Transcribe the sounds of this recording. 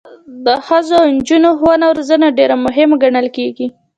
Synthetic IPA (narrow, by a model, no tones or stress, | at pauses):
d̪əxəzond͡ʒunoxwanawɾazənaɖeɾamʊɦɪmaɡaɳəlkeɡi